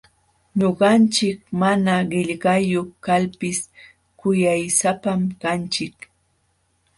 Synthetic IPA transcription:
ɲoɢɑnt͡ʃɪkmanaɢɪʎɢɑjoχkalpɪs | kʊjajsapamkant͡ʃɪk

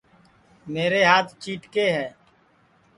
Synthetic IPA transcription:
meːɾeːɦaːt̪ʰt͡ʃiːʈkeːɦɛː

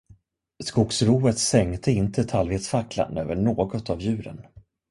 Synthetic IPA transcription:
skʊksɾuːət̪sɛŋt̪ʰəɪnt̪ʰət̪ʰalveːt̪sfakla̰nø̰ːvəɳoːɡɔt̪avjʉ̟ːɾə̰n

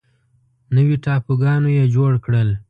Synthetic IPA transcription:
nəwiʈɑpuɡɑnojed͡ʒoɽkɽəl

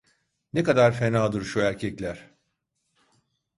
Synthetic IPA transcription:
nekad̪aɾfe̞naːd̪ɯɾʃuæɾcʰɛclʲæɾ̥

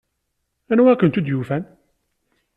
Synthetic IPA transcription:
ænwækːənt̪ud̪jufæn

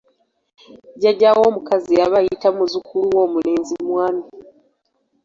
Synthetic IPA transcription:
ɟaɟawo̞ːmukaziaβajitamuzukʰuluwo̞ːmule̞ːnzimwaːmi

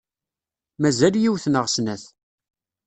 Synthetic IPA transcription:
mæzæljiwθnəʁsnæθ

